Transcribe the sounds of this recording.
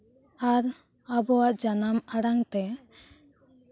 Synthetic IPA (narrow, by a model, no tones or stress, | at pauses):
aɾ | abɔwaʔd͡ʒanamaɽaŋt̪ɛ